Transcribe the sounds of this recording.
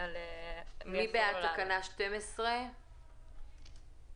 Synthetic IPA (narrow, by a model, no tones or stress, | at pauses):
l | mibeatakanaʃtemesʁe